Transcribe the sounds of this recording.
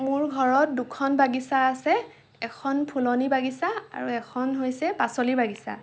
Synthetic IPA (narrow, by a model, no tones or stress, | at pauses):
mʊɹɡʱɔɹɔt̚dukʰɔnbaɡisaːsɛ | ɛkʰɔnpʰulɔnibaɡisaa̰ɹuɛkʰɔnɦojsɛpasolibaɡisa̰